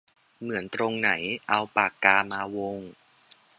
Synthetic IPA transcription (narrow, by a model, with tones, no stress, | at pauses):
mɯ˩˦ənt̪ɾo˧ŋna˩˦jʔa˧wpaː˨˩kːaː˧maː˧wo˧ŋ